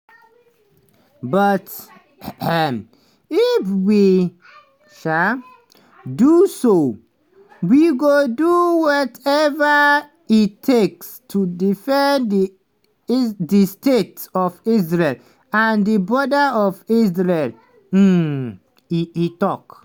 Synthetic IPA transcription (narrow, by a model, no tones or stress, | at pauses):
bʌt | m | ifwi | ʃa | duso | wiɡoduwɔtɛva | itʰekstʰudifɛ̃ndi | distetsɔfisɹel | ãndibɹɔdaɔfisɹel̩ | iitɔk